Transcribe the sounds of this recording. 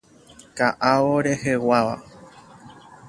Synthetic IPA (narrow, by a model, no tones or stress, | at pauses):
kaʔaoɾe̞he̞waʋa̰